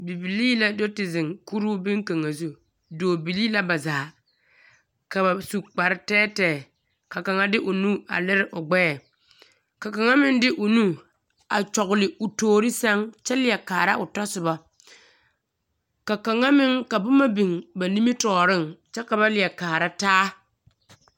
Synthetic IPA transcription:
bi˨bi˨liː˦la˦dɔ˦tɪ˨zɪ˨ŋku˦ɾuː˦bɪ˦ŋka˨ŋa˨zu˦˨ | doː˨bi˨li˦la˦ba˨zaː˨ | ka˨ba˨su˨k͡pa˨ɾɪ˦tɛː˦tɛː˨ | ka˨ka˨ŋa˦dɪ˦ʔʊ˨nu˦a̰˨lɪ˦ɾɪ˦ʔʊ˨ɡ͡bɛː˦ɛ˨ | ka˨ka˨ŋa˦mɪ˦ndɪ˦ʔʊ˨nu˦ | a˨t͡ʃɔ˨ɣʊ˨lɪ˨ʊ˨toː˨ɾɪ˦sa˦ŋt͡ʃɛ˦lɪ˨ɛ˨kaː˨ɾa˦ʔʊ˨ta˦sʊ˨ba˨ | ka˨ka˨ŋa˦mɪ˦ŋka˨bʊ˦ma˦bi˨ŋba˨ni˦mi˦tɔː˨ɾɪ˦˨ŋt͡ʃɛ˦ka˨ba˦lɪ˨ɛ˨kaː˨ɾa˦taː˦

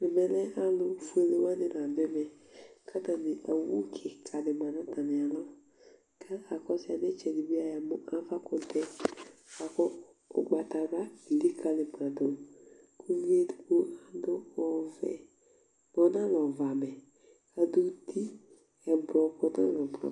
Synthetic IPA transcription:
lɪ˨mɛ˨lɛ˦ʔa˦lʊ˦˨fu˦ɛ˨le˦wa˦nɪ˨n˨a˨bɛ˦mɛ˨ | kʰa˦ta˨nɪ˨ʔa˨wu˦kʰɪ˨kʰa˨nɪ˨mã˨nã˦ta˨nɪ˨a˨lɔ˦ | kʰa˦ka˨kɔ˦sɪ˦a˨nɛ˦t͡ʃɛ˨di˨bi˦a˨ja˨mʊ˦a˦va˦kʊ˨tɛ˦ka˨kɔ˦ | ʊ̰˨ɡ͡ba˨ta˨ɾa˦i˨li˦kʰa˨lɪ˨ba˨do˨ | ku˦vi˦e˦˨ko˦a˨dʊ˦ɔ˨vɛ̰˨ | ɔ˨˦nã˦lɔ˨va˨mɛ˨ | a˨du˦ti˦ | ɛ˨bɾɔ˨kɔ˦na̰˦lɔ˨bɾɔ̰˨

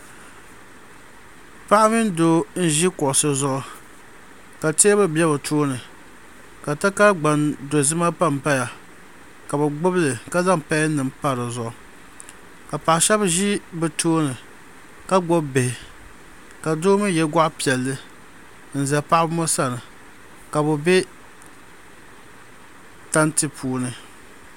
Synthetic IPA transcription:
pa˦ʔa˦mɪ˦n˦doː˦n̩˦ʒi˦kʊ˨ʔsɨ˦zʊ˦ʔʊ˨ | ka˨te˦bɨ˦bɛ˦bɨ˨tʰoː˦nɨ˨ | ka˨ta˦ka˦ɡ͡ba˨ndo˨zɨ˦ma˦pa˦˨m˨pa˦ja˨ | ka˨bɨ˨ɡ͡bʊ˦blɨ˨ka˦za˦ŋpa˦nɨ˨mpa˦ɾɨ˨zʊ˨ʔʊ˨ | ka˨pa˨ʔʃɛ˦bʒi˦bɨ˨tʰoː˦nɨ˨ | ka˦ɡ͡bɔ˦bbe˨hɪ˨ | ka˨doː˦mɨ˦jɛ˨ɡa˦ʔpi˨ɛ˨lːɨ˦ | n̩˨za˨pa˦ʔbmo˦sa˦nɨ˨ | ka˨bʊ˨bɛ˦ | ta˦ntɨ˦pʰuː˦nɨ˨

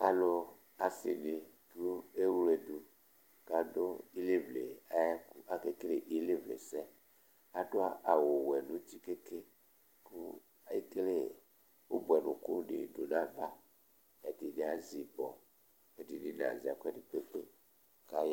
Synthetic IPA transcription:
a̰˨lo˦ | a˨si˨ni˨ | du˦e˦wu˦le˨du˨ | ka˨do˦i˦le˦vle˨a˦ja˦ku˦a˦ke˦ke˦le˨ʔi˦le˦vlḛ˨sɛ˦ | a˦do˦a˦ʔa˨wo˨wɛ˨nũ˦t̪i˦ke˦ke˦ | ku˦ | a˨˦i˦ke˦le˦˨ | wo˦bu˨ɛ˨nṵ̃˨ku˦nḭ˨do˨nã˦va˦ | ɛ˨di˨ne˨a˦zi˨bɔ̰˨ | e˨di˨ni˨n˨ã̰˨zi˨a̰˨ku˦ɛ˦di˨k͡pe˦k͡pḛ˦ | ka˦j

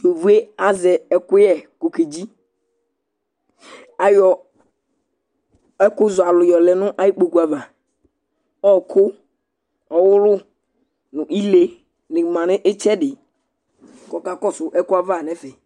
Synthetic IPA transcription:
jo˨vu˦e˦a˦zɛ˨ɛ˦kʊ˦jɛ˦ko˨ke˨d͡ʒi˦ | a˨jɔ˨ | ɛ˦kʊ˦zʊ˨a˨lʊ˨jɔ˨lɛ˨nʊ̃˦ʔa˦ji˦k͡po˨ku˨a˨va˨ | ɔ˦˨kʰʊ˦ | ɔ˨wʊ˦lʊ˦ | nʊ̃˨ʔi˦le˦ | nɪ̃˨mã˨nɪ˦ʔɪ˦t͡ʃɛ˦dɪ˨ | kɔ˨ka˨kɔ˦sʊ˨ʔɛ˦kʊ˦a˦va˦˨nɛ˦fɛ˨

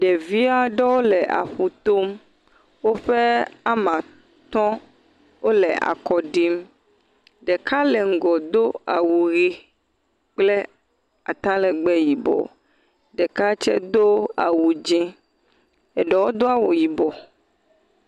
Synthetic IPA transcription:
ɖɛ˨vi˦a˦ɖɛ˦wo˦lɛ˨ʔa̰˨ɸu˨t̪o˦m | wo˦ɸe˦a˦mã˨ | t̪ɔ̃˦ | wo˦lɛ˨a̰˨kɔ˨ɖi˦m | ɖɛ˨ka˦lɛ˨ŋ̩˨ɡɔ˨d̪o˦a˨wu˨ɣi˦ | k͡plɛ˦ | a̰˨t̪ã˦lɛ˨ɡ͡bɛ˦ji˨bɔ̰˨ | ɖɛ˨ka˦t͡ʃɛ̰˦d̪o˦a̰˨wu˨d͡ʒɛ̃˦ | ɛ˨ɖɛ˨wo˦d̪o˦a˦wo˨ji˨bɔ˨

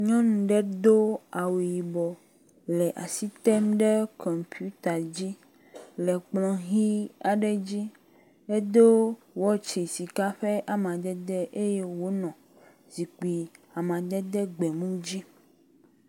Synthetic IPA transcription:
ɲɔ̃˦nũ˨ɖɛ˦d̪o˦a˨we˨ji˨bɔ˨ | lɛ˨ʔa̰˨si˦t̪ɛ˦mɖe˦kʰɔ˨mpʰi˦u˦t̪a˨d͡ʑi˦ | lɛ˨k͡plɔ̃˨ɦi˦a˨ɖɛ˦d͡ʑi˦ | e˦d̪o˦ | wɔ˦t͡ʃe˨si˨ka˦ɸe˦ʔa˨mã˨d̪ɛ˦d̪ɛ˦ʔe˦je˦wo˦nɔ̃˨ | zi˨k͡pi˨a˨mã˨d̪ɛ˦d̪ɛ˦ɡ͡bɛ˨mũ˦d͡ʑi˦

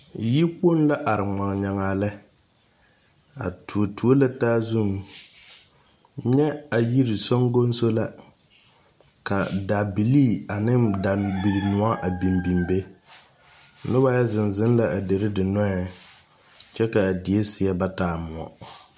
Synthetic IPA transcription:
ji˦k͡po˦nla˦ʔa˨ɾɪ˨ŋ͡ma˨ŋ˨ɲa˨ŋaː˨lɛ˦ | a̰˨tu˨o˨tu˨o˦la˦taː˦zu˦˨m | ɲɛ˦a˨ji˦ɾɪ˨so˦ŋɡo˦n˦so˦la˨ | ka˨da˨bi˨liː˦˨a˨nɪ˦da˨bi˨ɾmʊ˨a˦ʔa˨bi˨mbi˨mbe˦ | nʊ˦ba˦ja˦zɪ˨nzɪ˦n˦la˦ʔa˨de˨ɾɪ˦dɪ˨nɔ˦ɛ˨ | t͡ʃɛ˦ka˨a˨dɪ˨e˦sɪ˨ɛ˦ba˦taː˨mʊ˨ɔ̰˨

